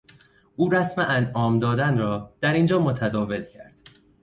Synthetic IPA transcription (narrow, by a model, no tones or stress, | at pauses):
ʔuːɾæsmeʔænʔɒːmd̪ɒːd̪ænɾɒːd̪̥æɾind͡ʒɒːmot̪ʰæd̪ɒːve̞d̪̥cʰæɾd̪̥